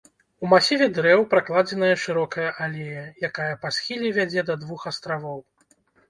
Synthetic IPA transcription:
umasʲivʲɛd̪ɾɛwpɾaklˠad͡zʲɛnɐjɐʂɨɾɔkɐjɐʔalʲejɐjakajɐpasʲxʲilʲivʲad͡zʲɛd̪ɐd̪vuxɐst̪ɾavɔw

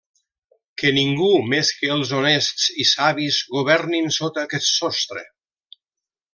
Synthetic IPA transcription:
kəniŋɡumeskəːlˠzonest̪sisaβizɣuβ̞ɛɾninsot̪akɛt̪sɔst̪ɾḛ

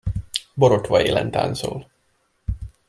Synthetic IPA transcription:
boɾot̪ʋɒeːlɛ̰nt̪a̰ːnsoːl

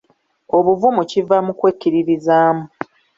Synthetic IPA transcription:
o̞βuvumucivamukwecːiɾiɾizaːmu

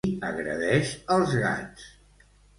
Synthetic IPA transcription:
əɣɾə̰ðɛʃəlˠzɣa̰t͡s

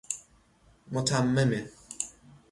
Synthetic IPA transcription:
mot̪ʰamːeme

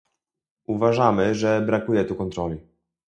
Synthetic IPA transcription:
uvaʐamɘʐɛbɾakujɛt̪ukɔnt̪ɾɔlʲi

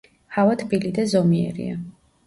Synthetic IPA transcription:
havat̪ʰbilid̪azɔmiɛ̰ɾḭa

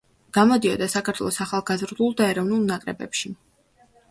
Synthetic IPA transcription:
ɡ̥amɔd̪iɔd̪asakʰaɾt̪ʰwɛlˠɔsaχalˠɡazɾd̪ulˠd̪aɛɾɔvnulˠnakʼɾɛbɛ̰pʃi

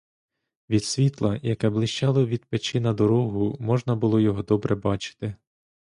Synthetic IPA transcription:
ʋʲid̪̥sʲʋʲit̪lˠɐjɐkɛblˠɪʃt͡ʃɑlˠɔʋʲid̪̚pet͡ʃɪnɐd̪ɔɾɔɦʊmɔʒnɐbʊlˠɔjɔɦɔd̪ɔbɾʔɛbɑt͡ʃɪ̥t̪ɪ

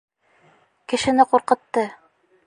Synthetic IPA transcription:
kɘ̆ʃɘ̆nɘquɾqɤ̆t̪ːɤ

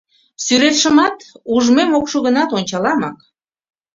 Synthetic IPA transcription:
syɾet̪ʃə̆mɑt̪uʒmemokʃoɣənɑt̪onʲt͡ɕɑlɑmɑk

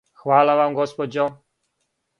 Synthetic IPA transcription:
xvalavamɡɔspɔd͡ʑɔ

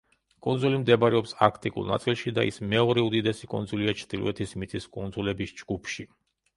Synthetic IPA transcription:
kʼund̪zulimd̪ɛbaɾɛɔpsakʰt̪ʼikʼṵlˠna̰t̪sʼilˠʃid̪aḭsmɛɔɾɛud̪id̪ɛsikʼṵnzuliat͡ʃʰɾd̪ilˠṵɛt̪ʰismit̪sʼiskʼund̪zulɛbisd͡ʒɡupʰʃi

